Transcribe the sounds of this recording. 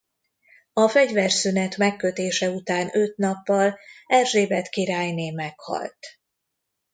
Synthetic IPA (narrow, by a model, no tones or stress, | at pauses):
ɒfɛɟvɛrsynɛt̪mɛkːøt̪eːʃɛut̪aːnøt̪nɒpːɒlɛrʒeːbɛt̪kiɾaːjneːmɛkhɒ̰lt̪